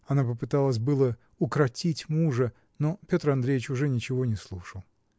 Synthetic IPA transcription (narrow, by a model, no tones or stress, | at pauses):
ɐnapəpɨt̪alˠəs̬ʲbɨlˠə | ʊkɾɐtʲitʲmuʐə | no̞pʲo̞t̪rɐnd̪ɾʲejɪt͡ɕʊʐɛnʲɪt͡ɕɪvo̞nʲɪslˠuʂəlˠ